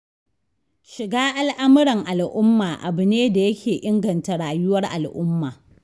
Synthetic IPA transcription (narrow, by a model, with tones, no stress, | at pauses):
ʃɪ˨ɡaː˦ʔa˦lʔa˦mɪ˦ɽɐ˨ŋʔa˨lʔʊ˦mːaː˨ʔa˨bɪ˨neː˦da˨jɐ˦kʲeː˨ʔɪ˦ŋɡɐ˨nta˨ɽaː˨jʊ˦wɐ˦rʔa̰˨lʔʊ˦mːaː˨